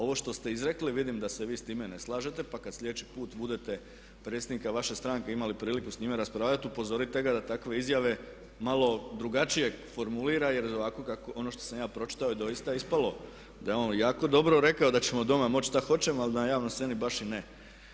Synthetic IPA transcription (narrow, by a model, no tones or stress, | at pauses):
o̞ʋo̞ʃt̪o̞st̪e̞izɾe̞kliʋid̪imd̪ase̞ʋiːst̪iːme̞ne̞slˠaːʒe̞t̪e̞pakad̪sʎʲed̪et͡ʃi̥puːt̪bud̪e̞t̪e̞ | pɾet̪sʲjed̪nikaʋaʃest̪ɾaːŋkeimalipɾiːlikusɲiːmeɾaspɾaːʋʎat̪upo̞zo̞ɾit̪e̞ɡad̪at̪akʋe̞izjaʋe̞ | malˠo̞d̪ɾuɡat͡ʃije̞fo̞ɾmuliːɾaje̞ɾoʋako̞kakoo̞no̞ʃt̪osamjaːpɾo̞t͡ʃi̥t̪aojd̪o̞jist̪aispalo̞ | d̪ajeo̞ːnjaːko̞d̪o̞bɾo̞ɾe̞kao̞d̪at͡ɕemod̪o̞mamo̞t͡ɕʃt̪axo̞t͡ɕe̞malinajaːʋnojsse̞nibaʃine